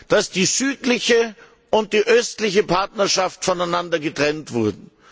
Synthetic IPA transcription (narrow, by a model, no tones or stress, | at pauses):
d̥asd̥iːzyːtlɪçə | ʔʊnt̚d̥iːʔœstlɪçəpʰaɐtnɐʃaftfɔnaɪnandɐɡətʁ̥ɛntv̥ʊɐdn̩